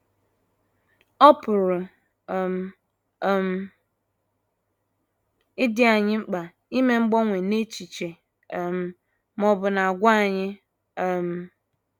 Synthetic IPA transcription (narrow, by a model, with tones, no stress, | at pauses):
ɔ˦pʊ˨ɾʊ˨ | m̩˨ | ɪ˦dɪ˦a˨ɲɪ˦ŋ͡m̩˦k͡pa˨ | i˦me˦ŋ͡m̩˦ɡ͡bɔ˦ŋʷe˨ne˦t͡ʃi˨t͡ʃe˨ | m̩˨ | mɔ˦bʊ˨na˨a˨ɡʷa˦a˦˨ɲɪ˦˨ | m̩˨